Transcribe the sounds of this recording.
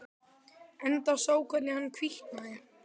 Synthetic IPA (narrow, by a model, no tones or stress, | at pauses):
ɛnt̪asoːwkʰvat̪lɪhanːkʰviht̪naðɪ